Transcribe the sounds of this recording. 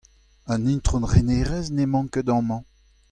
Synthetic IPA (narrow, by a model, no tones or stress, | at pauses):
œ̃nĩnt̪χonʁeneːʁɛznemɑ̃ŋkəd̪ɑ̃mɑ̃